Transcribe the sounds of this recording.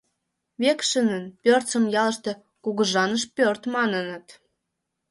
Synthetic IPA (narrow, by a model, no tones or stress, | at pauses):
βekʃənənpʲørt͡səmjɑləʃt̪e | kuɣəʒɑnəʃpʲørt̪mɑnənə̆t̪